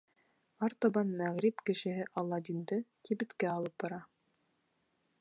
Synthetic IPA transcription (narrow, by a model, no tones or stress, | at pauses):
ɑɾt̪obɑnmæʁɾipkɘ̆ʃɘ̆ɦɘʔɑlˠːɑd̪ind̪ɤkibɘ̆t̪kæɑlˠɤp̚bɑɾɑ